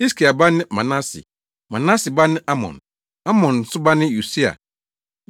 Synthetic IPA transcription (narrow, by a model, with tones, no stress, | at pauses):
i˦skʰi˨a˨ba˦nɪ̃˦mã˨nã˦sḭ˨ | mã˨na˦sɪ˨ba˦nɪ̃˦ʔa˦mɔ̰̃˨n | a˦mɔ̃˨n˨sʊ˦ba˦nɪ̃˦ju˨si˦a̰˨